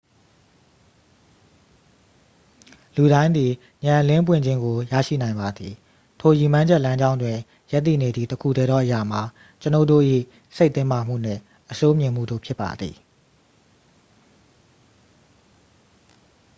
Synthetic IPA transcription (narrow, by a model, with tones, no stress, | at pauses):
lu˨ɾã˦ɪ̃nd̪ði˨ | ɲã˨lɪ̃˦mp̬wɪ̃˦˨ɲd͡ʑɪ̃˦ŋɡo˨jä̰˦˨ʃḭ˦˨nã˨ɪ̃mba˨d̪ði˨ | tʰo˨ji˨mã˦ɲd͡ʑɛ˦ʔlã˦ɲd͡ʑã˦ʊ̃ndwɪ̃˨ | ja˦t̪̬ːḭ˦˨ne˨d̪ðḭ˦˨təkʰṵ˦˨dɛ˦ɾɔ˦˨ʔəja˨m̥a˨ | t͡ɕəno˦˨do̰˦˨ʔḭ˦˨ | se˦ɪt̪ɪ̃˦ma˨m̥ṵ˦˨n̥ɛ̰̃˦˨ | ʔəso˦mjɪ̃˨m̥ṵ˦˨do̰˦˨pʰjɪ˦pːa̰˨d̪ðḭ˨